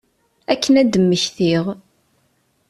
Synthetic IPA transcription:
ækːənæd̪əmːəçθiʁ

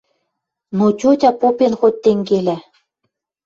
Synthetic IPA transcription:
not͡ɕʲot̪ʲɑpopenxot̪ːeŋɡelæ

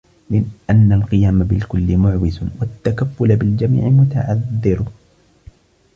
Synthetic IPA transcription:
mɪnʔanːalqɨjaːmabɪlkʊlːɪmʊʕwɪzwat̪ːakafːʊlabɪld͡ʒamḭːʕɪmʊt̪aʕaðːɪɾ

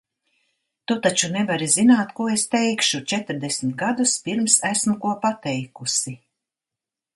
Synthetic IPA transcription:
t̪ut̪at͡ʃunɛvaɾizinaːt̪kuɔest̪ɛjkʃut͡ʃɛt̪ɾd̪esmʲt̪̚ɡad̪uspiɾmsæsmukuɔpat̪ɛjkusi

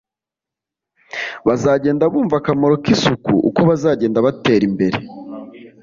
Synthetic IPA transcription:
βazaːɟe̞ːndaβuːɱvakamo̞ɾo̞kisukṵʔṵko̞βazaːɟe̞ːndaβate̞ːɾimbe̞ɾe̞̰

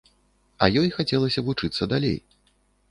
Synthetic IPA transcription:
ɐjɔjxat͡sʲɛlˠɐsʲɐvut͡ʂɨt̪sːɐd̪alʲḛj

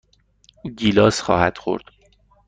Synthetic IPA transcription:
ɟiːlɒːsxɒ̰ːhæd̪̥xo̰ɾd̪̥

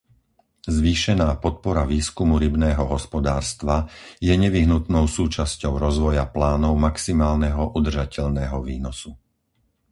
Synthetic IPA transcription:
zʋiːʃɛnaːpɔt̪̚pɔɾaʋiːskumuɾibnɛːɦɔɦɔspɔd̪aːɾst̪ʋajɛɲɛʋiɦnut̪nɔʊsuːt͡ʃascɔʊɾɔzʋɔjaplaːnɔʊmaksimaːlnɛɦɔʔud̪r̩ʒacɛʎnɛːɦɔʋiːnɔsu

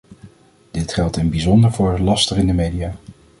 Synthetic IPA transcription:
d̥ɪtχɛlˠtɪnbizɔndəɹvʊːɹlɑstəχɪndəmejdiaː

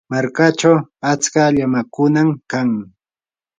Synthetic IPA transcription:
maɾkat͡ʃawat͡skaʎamakʊnamkaŋ

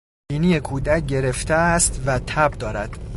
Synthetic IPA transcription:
iːniːje̞kʰuːd̪æc̚ɟe̞ɾe̞ft̪est̪væt̪ʰæbd̪ɒːɾæd̪̥

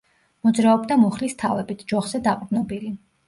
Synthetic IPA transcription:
mɔd̪zɾaɔbd̪amuχlist̪ʰavɛbit̪ʰd͡ʒɔχz̥ɛd̪aq̪ʼnɔbili

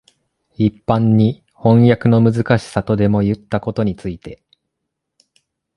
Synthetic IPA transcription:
ipːãɲ̟ːi | hõ̞ɰ̃jakɯ̟no̞mɯ̟zɨkaɕi̥sat̪o̞d̪e̞mo̞jɯ̟t̪ːako̞t̪o̞ɲ̟it͡sɨit̪e̞

